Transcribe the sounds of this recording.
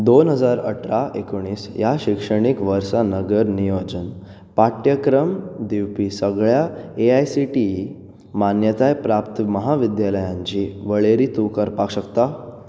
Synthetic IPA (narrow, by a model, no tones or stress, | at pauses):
d̪onɦəd͡zaɾə̰ʈʰɾaekoɽ̃iːsjaɕikʂəɽ̃ikʋəɾsanəɡəɾnijod͡ʑən | paʈjəkɾəmd̪iwpisəɡɭjaeajsiʈi | manjət̪ajpɾapt̪məɦaʋid̪jaləjãɲt͡ɕiʋəɭeɾiːt̪ukəɾpakɕəkt̪a